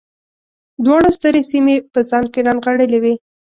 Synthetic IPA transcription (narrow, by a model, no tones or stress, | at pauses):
d̪wɑɽast̪əɾesimepəzɑnkeɾɑnɣaɽəlewi